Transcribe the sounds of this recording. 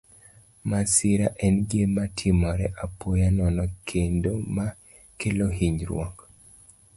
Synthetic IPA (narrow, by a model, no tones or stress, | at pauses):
masiɾaʔɛnɡematʰɪmɔɾɛʔapojanɔnɔkʰendoma | keloɦiɲɾwɔ̰k